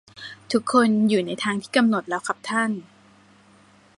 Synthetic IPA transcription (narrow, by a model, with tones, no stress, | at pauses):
t̪ʰu˦˥kʰːo˧njuː˨˩na˧jt̪ʰaː˧ŋt̪ʰiː˥˩ka˧mno˨˩t̪̚lɛː˦˥wkʰa˦˥p̚t̪ʰa˥˩n